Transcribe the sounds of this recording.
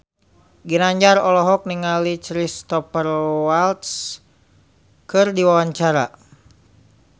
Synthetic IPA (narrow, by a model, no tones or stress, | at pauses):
ɡinaɲd͡ʒaɾɔlɔɦɔk̚niŋalit͡ʃɾist̪ɔpərwalt̪s | kɨrdiwawaɲt͡ʃaɾa̰